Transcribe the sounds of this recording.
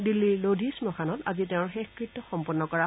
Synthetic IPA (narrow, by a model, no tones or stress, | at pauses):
dilːilodʱismɔxʰanɔta̰ziteʊ̃ɹxexkɹitːɔxɔmpɔnːɔkɔɹa